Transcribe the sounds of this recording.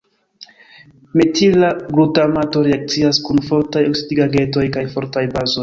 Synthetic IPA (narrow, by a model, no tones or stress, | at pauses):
metʰilaɡɾutamato̞ɾeak̚t͡siaskunfo̞ɾtajoksidiɡaɡe̞to̞jkajfo̞ɾtajbazo̞j